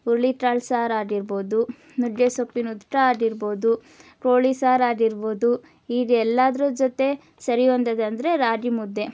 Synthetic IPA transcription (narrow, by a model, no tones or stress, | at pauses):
uɾliʈɾaːlsaːɾaːɖiɾbo̞ːd̪u | nud͡ʒesopːinut̪ʈɾaaːɖiɾbo̞ːd̪u | ʈoːɭisaːɾaːɖiɾbo̞ːd̪u | iːɡ̪ɛlːaːd̪ɾuːd͡ʒot̪e̞ | sɐɾijond̪ɐd̪ɐnd̪ɾe̞ɾaːɖimud̪ːe̞